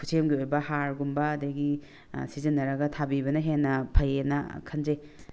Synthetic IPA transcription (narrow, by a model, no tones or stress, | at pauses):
kʰu̥sʰemɡiojbɐhaɾɡumbɐːdɐɡi | sizinːɐɾɐɡɐtʰabibɐnɐɦenːɐpʰɐjenɐ̰kʰɐnze